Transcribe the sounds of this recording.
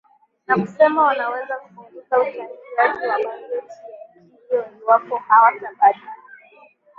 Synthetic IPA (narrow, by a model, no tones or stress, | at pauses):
nam̩sɛmawanawɛzakufuŋɡikauaniiwaʄiwamanɛti | iɔniwapɔhawad͡ʒaɓaɗi